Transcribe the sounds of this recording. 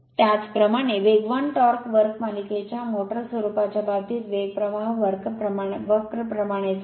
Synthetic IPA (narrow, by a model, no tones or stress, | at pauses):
t̪jat͡spɾəmaɽ̃eʋeɡʋanʈɔɾkʋəɾkmaliket͡ɕamoʈəɾsʋəɾupat͡ɕabat̪it̪ʋeɡ̚pɾəʋaɦʋəɾkpɾəʋəkɾəpɾəmaɽ̃e